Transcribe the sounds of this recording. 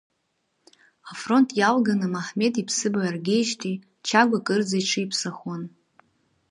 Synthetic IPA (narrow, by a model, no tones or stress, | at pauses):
afro̞ntʼjalɡanɨmaħme̞tʼipʰsɨbaarɡʲejʃtʰi | t͡ʃʰaɡʷakʼɨrd͡zajʈ͡ʂʰɨipʰsaχwan